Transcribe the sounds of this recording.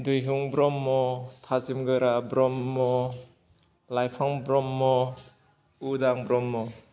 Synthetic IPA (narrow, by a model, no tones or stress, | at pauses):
dujɦuŋbɾɔmːɔtʰazimɡɯɾabɾɔmːɔ | lajpʰaŋbɾɔmːɔ | udaŋbɾɔmːɔ